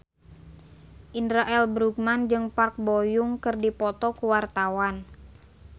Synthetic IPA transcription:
ʔindɾaʔɛlbɾuk̚mand͡ʒɨŋpark̚bojʊŋkɨrdipɔt̪ɔkuwart̪awan

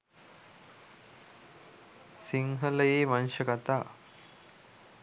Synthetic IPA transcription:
siŋɦɐlɐjeːmɐnʃɐkɐt̪aː

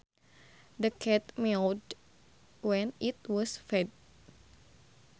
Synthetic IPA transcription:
dəkʰɛt̪̚mild | wɛ̃nit̪̚wɔsfɛd̚

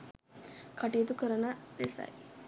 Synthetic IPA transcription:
kaʈijət̪ukəɾənədesa̰j

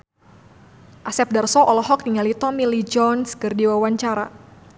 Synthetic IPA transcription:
ʔasɛp̚darsɔʔɔlɔɦɔk̚niŋalit̪ɔmilid͡ʒɔnskərdiwawaɲt͡ʃaɾa

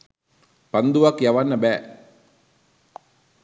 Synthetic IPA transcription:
pand̪uʋakjaʋanːəbæː

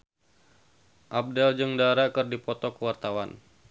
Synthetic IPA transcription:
ʔab̚dɛld͡ʒɨŋdaɾakɨrdipɔt̪ɔkəwart̪awan

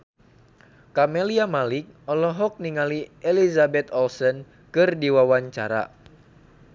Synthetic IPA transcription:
kamɛliamalɪk̚ɔlɔɦɔk̚niŋaliʔɛlizabɛt̪ɔlsɔn | kɨrdiwawaɲt͡ʃaɾa̰

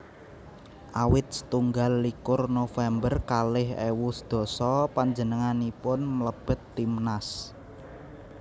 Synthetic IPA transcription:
ʔawɪt̪̚sə̥t̪uŋɡalːikʊrnofɛmbərkalɪhḛwusd̪̥ɔ̤sɔpaɲd͡ʒənəŋanipʊnmələb̥ə̤t̪ːimnas

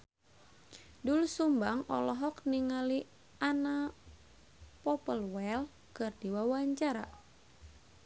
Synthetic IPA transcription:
dulusumbaŋɔ̰lɔɦɔkniŋali | ana | pɔpəlwɛl | kɨrdiwawaɲt͡ʃaɾa̰

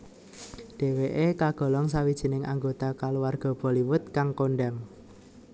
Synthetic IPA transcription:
ɖ̥e̤weʔekaɡ̥ɔ̤lɔŋsawid̥ʒ̥i̤nɪŋʔa̰ŋɡot̪akaluwarɡ̥ɔ̤b̥ɔ̤liwʊt̪̚kaŋkoɳɖaŋ

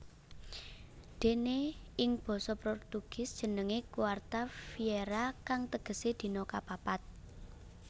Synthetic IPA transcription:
d̪̥e̤neɪŋb̥ɔ̤sɔpɾɔrt̪uɡ̥ɪ̤sd̥ʒ̥ə̤nəŋekuwart̪afieɾakaŋt̪əɡ̥ə̤sed̪̥i̤nɔkapapat̪̚

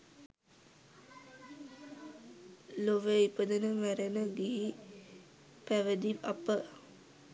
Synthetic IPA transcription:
loʋeipəd̪ənəmæɾenəɡiɦi | pæʋəd̪iapə

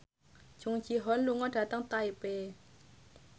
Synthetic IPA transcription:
t͡ɕʰuŋt͡ɕʰiɦɔnluŋɔdat̪aŋt̪ajpeː

